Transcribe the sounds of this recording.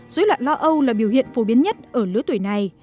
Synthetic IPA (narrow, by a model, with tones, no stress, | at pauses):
zo˨˦jlwa̰ː˧˨nlɔ˧˦ʔə˧wlaː˨˩ɓi˧˩əwhḭ˧˨ənfo˧˩ɓi˨˦ənɲə˦˥t̚ʔəː˧˩lɨ˨˦ət̪wjna˨˩j